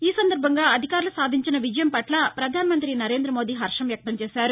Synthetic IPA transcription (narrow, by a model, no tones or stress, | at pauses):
iːsɐnd̪ɐɾbʱɐŋɡaːɐd̪ʱikaːɾulusaːd̪ʱiɲt͡ʃinɐʋid͡ʒɐjɐmpɐʈlɐpɾɐd̪ʱaːnɐmɐnt̪ɾinɐɾe̞ːnd̪ɾɐmoːd̪iːɦɐɾʂɐmʋjɐk̚t̪ɐmt͡ʃɛːsaːɾu